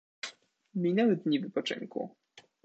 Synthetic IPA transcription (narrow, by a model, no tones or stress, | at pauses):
mʲinɛwɛd̪ɲivɘpɔt͡ʂɘ̰ŋkṵ